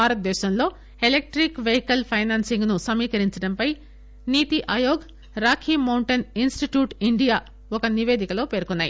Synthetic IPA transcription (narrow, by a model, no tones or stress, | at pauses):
aːɾɐt̪̚d̪ɛːʃɐmlo̞ː | elek̚ʈɾikʋeɦikɐlpʰɐjnaːnsiŋɡnusɐmiːkɐɾiɲt͡ʃɐɽɐmpɐj | niːt̪iʔɐːjoːɡ | ɾaːkʰiːmɐwɳʈɐninsʈiʈjuːʈiɳɖijaː | ɔkɐniʋe̞ːd̪ikɐloːpe̞ːɾkunːaːjḭ